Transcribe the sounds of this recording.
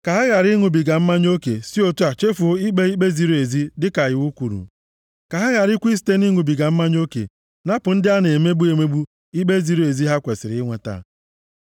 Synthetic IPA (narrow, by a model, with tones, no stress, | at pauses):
ka˨ɦa˦ɣa˨ɾi˦ŋu˨bi˨ɡa˨m̩˦ma˦ɲ˦o˦kḛ˨si˦o˦tu˦a˨t͡ʃe˦fu˨o˦i˦ɡ͡be˦i˦k͡pe˦zi˦ɾu˦e˨zi˦dɪ˦ka˨jɪ˨wu˦kʷu˨ɾṵ˨ | ka˨ɦa˦ɣa˨ɾi˦kʷi˦si̥˨te˦ni˦ŋu˨bi˨ɡa˨m̩˦ma˦ɲ˦o˦kḛ˨ | na˦pʊ˨n̩˦dɪ˦a˦ne˨me˦bu˦e˨me˦bu˦ | i˦ɡ͡be˦zi˨˦ɾu˨e˨zi˦ɦa˦kʷe˨sɪ˨ɾɪ˨˦ɪ˦ŋʷe˦ta̰˦